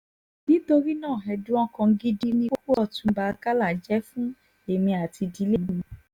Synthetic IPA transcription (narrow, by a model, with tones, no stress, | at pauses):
nĩ˦to˧ɾi˦nãː˦˨ɦɛ˧dũ˦ɔ˦kɔ̃˧ɡi˦di˦nĩ˦o˦ko˦ɔ˦˨tũ˧ba˧ka˦la˦˨d͡ʒɛ˨˦fũ˦ | e˦˨mĩ˧a˨ti˧di˨˦le˦˨nĩ˧